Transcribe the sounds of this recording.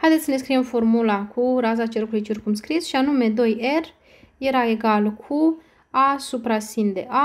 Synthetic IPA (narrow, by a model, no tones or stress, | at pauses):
hajd̪esʲəne̞s̬kɾijemfo̞rmulakʰuɾazat͡ʃeɾkulijt͡ʃirkumskɾisʃianume̞d̪o̞jer | je̞ɾae̞ɡalkʰu | asupɾasind̪e̞ʔa